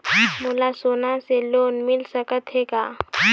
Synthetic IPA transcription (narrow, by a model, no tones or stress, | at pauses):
mʊlasoːnaseloːnmɪlsəkət̪ɦekaː